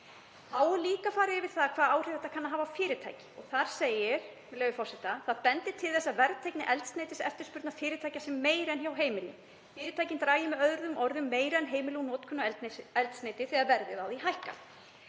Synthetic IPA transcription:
aːwliːkafaːɾɪðɪvɪð̥θaðkʰvaːðaːwr̥ɪðθɛt̪akʰanːaɦaːvafɪːɾɪt̪ʰa̰jcɪ̥ɔɣθaɾ̥seːjɪɾ̥mɪlœːvɪfɔrsɛt̪aθaðpɛnt̪ɪt̪ʰɪlθɛsːavɛɾðt̪ʰajknɪʔɛlt̪snejt̪ɪsɛ̰ft̪ɪɾ̥spʏɾt̪nafɪːɾɪt̪ʰajcasɛmːeːjɾɛnçjawɦeːjmɪlɪ̰ | fɪːɾɪt̪ʰajcɪnt̪ɾaːjɪmɛœðɾðʏmʔɔɾðʏmːeːjɾɛnɦeːjmɪluwnɔːt̪kʰœnːaɛlt̪nɛlt̪sneːjt̪ɪθiaðvɛɾðɪðawðiɦajhka̰

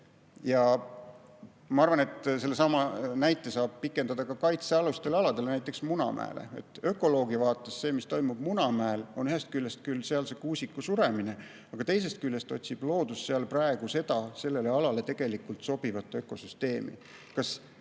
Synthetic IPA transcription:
jɑ | mɑɑrvɑne̞t̪ˑse̞lːesɑmɑnæjt̪ːˑe̞sɑːb̥̚pikːˑe̞nd̪ɑd̪ɑkɑkɑjt̪seɑlust̪e̞lɑlɑd̪e̞lnæjt̪ːˑeksmunɑ̰mʔæ̰ḛlʔḛḛt̪ːˑø̞kːˑo̞lo̞ːɡivɑːt̪ːˑesse̞ːmist̪o̞jmub̥munɑmæelo̞nyhest̪̚kylʲːest̪̚kylse̞ɑlse̞kuːsʲikːˑusuɾe̞mine̞ | ɑɡ̥ɑt̪e̞js̬e̞st̪̚kylːe̞st̪o̞t̪ʲsib̥lo̞ːd̪̥usːe̞ɑlprɑe̞ɡ̥use̞t̪ɑse̞lːe̞leɑlɑle̞t̪e̞ɡ̥e̞likːˑult̪so̞b̥ivɑt̪ːˑø̞kːo̞syst̪e̞ːmḭ | kɑs

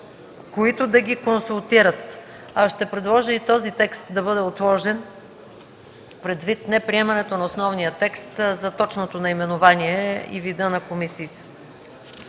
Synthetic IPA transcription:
koit̪ʊd̪ɐɡʲikonsulˠt̪iɾət̪ | aʃt̪ɛpɾɛd̪lˠɔʒəit̪ɔzit̪ɛkst̪d̪ɐbɤd̪ɛot̪lˠɔʒɛn | pɾɛd̪vit̪nɛpɾiɛmɐnɛt̪onɐosnɔvnijət̪ɛkst̪zɐt̪ɔt͡ʃnot̪onɐimɛnovaniɛḭvid̪ənɐkomisiːt̪ɛ̥

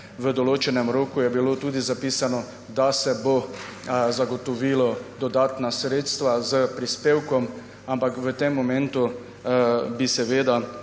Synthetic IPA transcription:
ʋəd̪ɔloːt͡ʃɛnɛmɾoːkujɛbilot̪uːd̪izapiːsanɔ | d̪asɛbo | zaɡɔt̪ɔʋilɔd̪ɔd̪aːt̪nasɾeːt̪st̪ʋazəpɾispeːwkɔm | ampakʋət̪emːɔmɛ̃nt̪u | bisɛʋeːd̪a

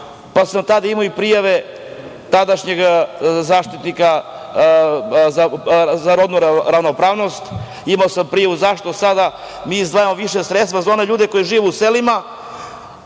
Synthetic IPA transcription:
pasamt̪ad̪aimoipɾijaʋe | t̪ad̪aʃɲeɡzaːʃt̪it̪nika | zazaɾod̪nuɾɾavnopɾaːʋno̞st̪ | imaosampɾijaʋuzaʃt̪o̞sad̪a | miːizd̪aːjamoʋiʃesɾet̪t̪vazaoneʎuːd̪eko̞jeʒiːʋeuselima

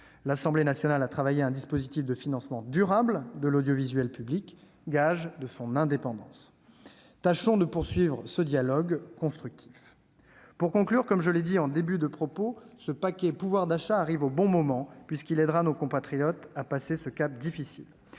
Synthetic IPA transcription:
lasɑ̃blenasjɔnalat̪χavajeɛ̃d̪ispozit̪ifd̪əfinɑ̃smɑ̃d̪yʁabld̪əlod̪jɔvizɥɛlpyblik | ɡaʒd̪əsɔ̃nɛ̃d̪epɑ̃d̪ɑ̰̃s | t̪aʃɔ̃d̪əpuʁsɥivʁəsəd̪jalɔɡkɔ̃st̪χyk̚t̪ʰif | puʁkɔ̃klyʁkɔmʒəled̪iɑ̃d̪ebyd̪əpχɔposəpakʲɛpuvwaʁd̪aʃaːʁivobɔ̃mɔmɑ̃pɥiskʲilɛd̪ʁanokɔ̃pat̪χijɔt̪apasesəkap̚d̪ifisḭl

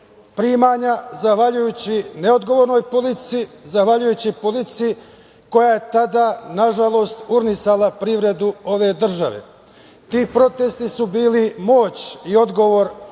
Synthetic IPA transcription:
pɾiːmaɲazaxʋaʎujuːt͡ɕineo̞d̪ɡo̞ʋoɾnojpolit̪siizaxʋaʎujuːt͡ɕipolit̪sii | ko̞jaːje̞t̪ad̪aːnaʒalˠo̞st̪uɾnisalapɾiːʋɾe̞d̪uo̞ʋe̞ːd̪r̩ʒaʋe̞̰ | t̪iːpɾo̞t̪e̞st̪isubiːlimo̞ːt͡ɕio̞d̪ɡo̞ʋo̞ɾ

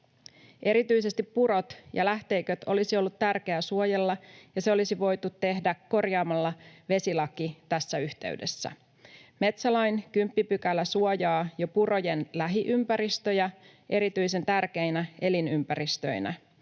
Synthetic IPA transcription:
ʔe̞ɾit̪yijse̞st̪ipːuɾo̞t̪jɑ̰læht̪e̞jkøt̪o̞̰lisio̞lːut̪t̪ærk̟e̞æsuojelːɑjɑseo̞lisiʋo̞jt̪ut̪tːe̞hdækːo̞rjɑːmɑlːɑʋe̞silɑkit̪æsːæyht̪e̞̰ɥde̞sːæ̰ | me̞t̪sɑlɑjnkympːipykælːæsuojɑːjo̞puro̞je̞nlæɦiʔympæɾist̪ø̞jæ | ʔe̞ɾit̪yjse̞nt̪ærk̟e̞jnæʔe̞linympæɾist̪ø̞inæ

